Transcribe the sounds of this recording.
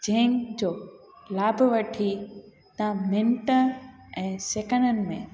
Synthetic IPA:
d͡ʑɐ̃ɦɪ̃d͡ʑoːlaːbʱʋɐʈʰi | t̪ɐmɪ̃ɳʈəɛ̃ːseːkənənɪ̆mẽ

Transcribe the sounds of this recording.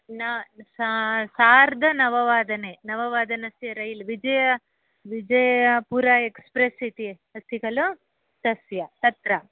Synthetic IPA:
nɐssaːɾd̪ʱɐnɐʋɐʋaːd̪ɐnenɐʋɐʋaːd̪ɐnɐsjɐɾɐjlʋid͡ʒɐjɐ | ʋid͡ʒɐjɐpuɾaekspɾesit̪i | ɐst̪ʰikɐlu | t̪ɐsjɐt̪ɐt̪ɾɐ

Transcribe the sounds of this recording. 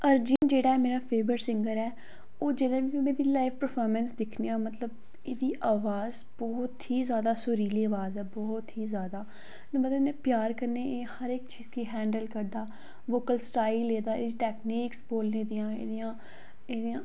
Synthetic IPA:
əɾd͡ʒiːnd͡ʒeːɽaːɛːmeːɾaːpʰeːʋəɾsɪ̃ŋɡəɾɛː | oːd͡ʒɪlẽːʋimɛ̃ːd̪iːlaːɪʋpəɾpʰɔːɾmɛ̃nsd̪ɪkʰnijaːmət̪ləb | eːd̪iːʔaːʋaːz | bɔːt̪ɦiːzjaːd̪aːsʊɾiːliːaːʋaːzɛːbɔːt̪ɦiːzjaːd̪aː | t̪ːmət̪ləbnẽːpɪjaːɾkəɾneːʔeːhəɾɪkt͡ʃiːzkiːɦɛ̃ːɳɖəlkəɾd̪aː | ʋoːkəlsʈaːɪlːeːd̪aːḛːd̪iːʈɛːkniːksboːlneːd̪ijãːḛːd̪ɪjãː | eːd̪ijãː

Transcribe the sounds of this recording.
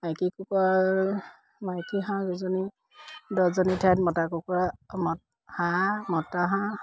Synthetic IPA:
majkikukua | majkiɦãɡuzɔni | dɔzɔnitʰatmɔtakukuamɔ | hamɔtaɦã

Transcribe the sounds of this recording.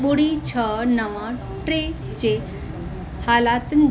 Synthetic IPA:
buɽit͡ɕʰənəməɾ | ʈɾe | t͡ɕe | halat̪n

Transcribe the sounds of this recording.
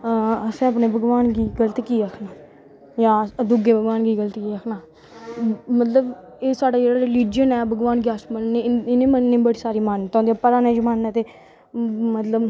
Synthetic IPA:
əsẽːəpneːbəɡʋaːnɡiːɡələt̪ːkiːəkʰnaː | jãːd̪ʊɡeːbəɡʋaːnɡiːɡələt̪kiːəkʰnaː | mət̪ləb | eːsaːɖaːd͡ʒeːɽaːɾɪliːd͡ʒənɛːbəɡʋaːnɡɛːsmənneːɪneːmənːeːbəɽiːsaːɾiːmaːnːt̪ɔ̃ːd̪ejapəɾaːnẽːd͡ʒəmaːnːɛːt̪eː | mət̪ləb

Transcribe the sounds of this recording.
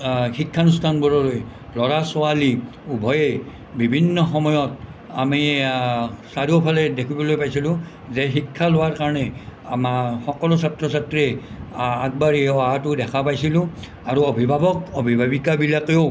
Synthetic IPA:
xikʰːanustʰanbɔɹɔɹoj | lɔɹasʊali | ubʱɔje | bibʱinːɔxɔmɔjɔt | ami | saɹiopʰalɛdekʰibɔlojpajsilʊ̃ | zɛxikʰːalowaɹkaɹɔnɛamaxɔkɔlʊsatɹɔsatɹɛ | ak̚baɹioatʊdɛkʰapajsilʊ̃ | aɹuɔbʱibʱabɔkɔbʱibʱabikabilakeo

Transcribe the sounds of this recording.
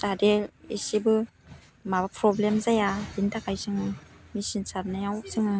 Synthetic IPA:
zadeisibɯ | mabɯpʰɾɔblemzajabintʰakʰajsɯŋɯmisinsaɾnajaŋɔk̚sɯŋɯ

